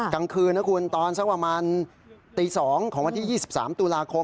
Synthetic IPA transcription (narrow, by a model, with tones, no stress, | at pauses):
ka˧ŋkʰɯː˧nːaː˦˥kʰu˧nt̪ɔː˧nsa˥˩kpɾa˧maː˧n | t̪iː˧sɔː˩˦ŋkʰɔː˩˦ŋwa˧nʰi˥˩jiː˥˩si˨˩p̚sa̰ː˩˦mt̪u˧laː˧kʰo˧m